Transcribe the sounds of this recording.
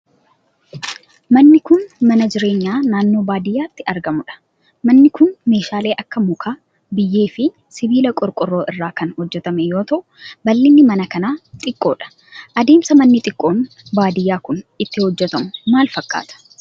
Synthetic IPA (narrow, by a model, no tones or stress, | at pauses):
mɐnːɪkʊnmɐnɐd͡ʒɪɾe̞ːɲːaːnaːnːo̞ːbaːd̪ɪjːaːt̪ːɪɐɾɡɐmʊᶑɐ̥ | mɐnːɪkʊnme̞ːʃaːle̞ːʔɐkːɐmʊkʰaː | bɪjːe̞ːfɪ | sɪbiːlɐkʼʊɾkʼʊrːo̞ːʔɪrːaːkɐnhɔd͡ʒːɛt̪ɐmɛjo̞ːt̪ɐʔʊbɐlːɪnːɪmɐnɐkɐnaːt̪ʼɪkʼːo̞̰ːᶑɐ̥ | ʔɐd̪e̞ːmsɐmɐnːɪt̪ʼɪkʼːo̞ːn | baːd̪ɪjːaːkʊnɪt̪ːɪhɔd͡ʒːɛt̪ɐmʊmaːlfɐkʼːa̰ːt̪ɐ̥